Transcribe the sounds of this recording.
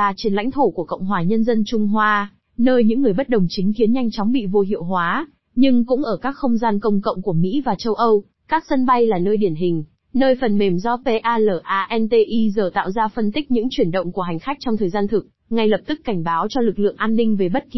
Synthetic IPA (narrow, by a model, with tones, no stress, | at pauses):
aː˨˩t͡ɕi˨˩əla̰˧˥ŋ̟t̪ʰo˧˩ku˧˩əkə̰˧˨wŋ͡mɦwaː˨˩ɲə˧nzə˧nt͡ɕʊ˧ŋ͡mɦwaː˧ | nəː˧jɲɨ̰˧˥ŋːɨ˨˩əjɓə˦˥t̚ɗə˨˩wŋ͡mt͡ɕï˨˦ŋ̟ki˨˦ənɲa˧jŋ̟t͡ɕɔ˨˦ŋ͡mɓḭ˧˨vo˧ɦḭ˧˨ə˨wɦwaː˨˦ | ɲɨ˧ŋkʊ̰˧˥ŋ͡mʔəː˧˩kaː˦˥kxə˧wŋ͡mzaː˧nkə˧wŋ͡mkə̰˧˨wŋ͡mku˧˩əmḭ˧˥vaː˨˩t͡ɕə˧wʔə˧w | kaː˦˥k̚sə˧nɓa˧jlaː˨˩nəː˧jɗi˧˩ənɦï˨˩ŋ̟ | nəː˧jfə˨˩nme˨˩mzɔ˧pe˧ʔaː˧ləː˧˩ʔaː˧ʔɛ˧nt̪e˧ʔi˧zəː˨˩t̪a̰ː˧˨wzaː˧fə˧nt̪ï˦˥k̚ɲɨ̰˧˥ŋt͡ɕwi˧˩ənɗə̰˧˨wŋ͡mku˧˩əɦa˨˩ŋ̟xa˦˥k̟̚t͡ɕɔ˧wŋ͡mt̪ʰəː˨˩jzaː˧nt̪ʰɨ˨˩k̚ŋa˧jlə˨˩p̚t̪ɨ˦˥kːa˧˩jŋ̟ɓaː˨˦wt͡ɕɔ˧lɨ˨˩k̚lɨ̰˧˨əŋʔaː˧nːï˧ŋ̟ve˨˩ɓə˦˥t̚ki˧